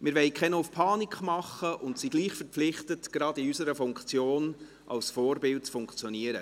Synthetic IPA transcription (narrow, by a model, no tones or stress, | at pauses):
mɪːɾʋɛɪkʰχɛnoʊfpʰɑːnikχmɑχəʔʊntsiɡ̥liːχfəɾpflɪχtətɡ̥ɾɑdiysəɾəfʊŋkt͡sjoːn | ʔɑ̰lsfɔːɾbɪlt̚t͡sfʊŋkt͡sjɔniəɾə